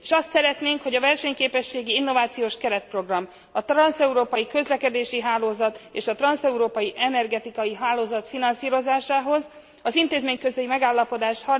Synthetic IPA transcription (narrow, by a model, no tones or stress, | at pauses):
eʃɒst̪sɛɾɛt̪neːŋkho̞ɟɒvɛrʃɛɲkeːpɛʃːeːɡiinːo̞vaːt̪sijoːʃkɛɾɛt̪̚pro̞ɡrɒm | ɒt̪rɒnsɛuɾoːpɒjikø̞zlɛkɛd̪eːʃiɦaːloːzɒt̪eːʃɒt̪rɒnsɛuɾoːpɒjiʔɛnɛrɡɛt̪ikɒjiɦaːloːzɒt̪finɒnsiːɾo̞zaːʃaːɦo̞z | ɒzint̪eːzmeːɲkøzɛjimɛɡaːlːɒpo̞d̪aːʃhɒr